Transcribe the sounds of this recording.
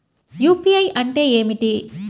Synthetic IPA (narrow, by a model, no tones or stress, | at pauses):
juːpiɐjʔɐɳʈe̞ːeːmiʈi